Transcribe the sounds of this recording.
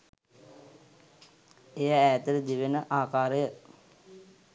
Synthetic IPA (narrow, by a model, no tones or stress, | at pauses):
ejaæːt̪əɾəd̪iʋenəʔaːkaːɾəjə